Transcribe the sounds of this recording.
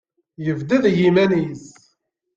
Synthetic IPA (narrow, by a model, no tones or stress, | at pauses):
jəvd̪æðjimæniz